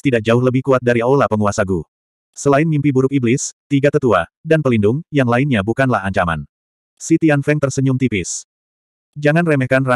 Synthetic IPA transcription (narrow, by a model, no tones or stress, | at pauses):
t̪idak̚d͡ʒaʊɦləbɪhkuat̪̚daɾiolapəŋuasaɡu | səlaɪnmimpibuɾʊkiblɪst̪iɡat̪ət̪uadanpəlindʊŋjaŋlaɪnɲabukanlahaɲt͡ʃama̰n | sit̪ianfɛŋt̪ərsəɲʊmt̪ipɪs | d͡ʒaŋanrɛmɛhkanra